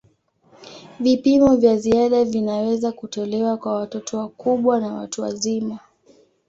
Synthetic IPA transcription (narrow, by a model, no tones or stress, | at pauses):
vipimɔvjaziaɗavinawɛzakutɔlɛwakwawatɔtɔwakuɓwanawa̰tuwa̰zima